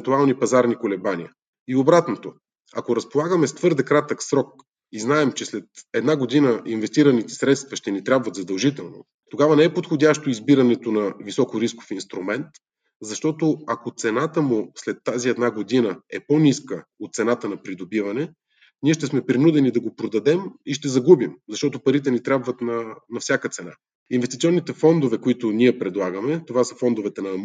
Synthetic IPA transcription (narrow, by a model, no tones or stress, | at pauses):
nt̪ualˠnipɐzaɾnikolɛbanʲiə | iobɾat̪not̪o | ɐkoɾɐspolˠaɡəmɛst̪vɤɾd̪ɛkɾat̪əksɾɔk̚ | iznaɛmt͡ʃɛslɛt̪ɛd̪naɡod̪inəʔinvɛst̪iɾənit̪ɛ̥sɾɛt̪st̪vɐʃt̪ɛnit̪ɾʲabvɐt̪zɐd̪ɐlˠʒit̪ɛlˠno̰ | t̪oɡavɐnɛɛpot̪xodʲaʃt̪oizbiɾɐnɛt̪onɐvisɔkoɾisko̥finst̪ɾumɛnt̪ | zɐʃt̪ɔt̪oɐkot̪sɛnat̪əmʊslɛt̪ːaziɛd̪naɡod̪inəɛponʲiskəot̪̚t̪sɛnat̪ənɐpɾid̪obivɐnɛ | niɛʃt̪ɛsmɛpɾinud̪ɛnid̪ɐɡopɾod̪ɐd̪ɛmiʃt̪ɛzɐɡubimzɐʃt̪ɔt̪opɐɾit̪ɛnit̪ɾʲabvət̪nɐnɐfsʲakət̪sɛna̰ | invɛst̪it̪siɔnːit̪ɛfɔnd̪ovɛkoit̪ʊnʲiɛpɾɛd̪lˠaɡəmɛt̪ovasə̥fɔnd̪ovɛt̪ɛnɐ